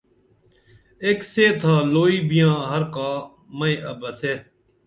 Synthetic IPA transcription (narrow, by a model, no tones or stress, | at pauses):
ekseːt̪ʰaːloːiːbɪjãːɦəɾkaː | məẽʔəbəseː